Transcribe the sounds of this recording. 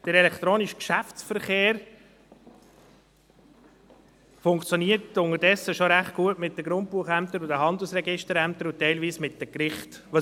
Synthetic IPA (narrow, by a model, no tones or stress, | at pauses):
d̥əɾɛlɛkt̪ɾoːnɪʃkʃæft͡sfəɾχeːɾ | fʊŋkt͡sjɔniːətʊŋəɾdɛsːəʃoɾæχt̚ɡ̥uətmɪt̚dəɡɾʊnt̚puəχæmt̪əɾʊdəɦɑnd̪l̩sɾɛɡɪʃtəɾæmt̪əɾʊtːɛɪlviːsmɪt̚d̥əkɾɪχt | ɑ